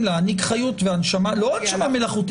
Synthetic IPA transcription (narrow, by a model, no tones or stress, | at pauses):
laːnikχajut̪veanʃamaloanʃamamelaχut̪